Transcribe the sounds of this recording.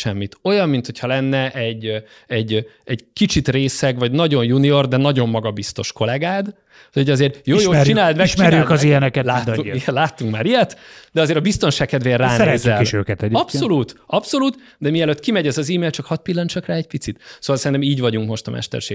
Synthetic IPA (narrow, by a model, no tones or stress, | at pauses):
ʃɛmːit̪o̞jɒmːint̪ho̞cʰhɒlɛnːɛʔɛɟː | ɛɟ | ɛɟkit͡ʃit̪reːsɛɡvɒɟnɒɟo̞njunio̞rd̪ɛnɒɟo̞mːɒɡɒbist̪o̞ʃko̞lɛɡaːd̪ | oɟɒzeːrjoːjoːt͡ʃinaːld̪mɛʃt͡ʃiɾjykɒzijɛnɛkɛt̪laːlaːt̪ːuŋkmaːɾijɛt̪d̪ɛɒzeːɾɒbist̪onʃaːk̚kːɛd̪ʋeːrːaːnɛzːɛliʃøːkɛt̪ɛɟɒpso̞luːt̪ɒpso̞luːt̪ | d̪ɛmiɛløt̪ːkimɛɟɛzɒziːmeːlt͡ʃɒkhɒt̪̚pilːɒnt͡ʃɒkraːɛc̚pit̪sit̪soːvɒlsɛɾinɛmiːɟvɒɟuŋkmo̞ʃt̪ɒmʔɛ̰ʃt̪ɛ̰rʃḛː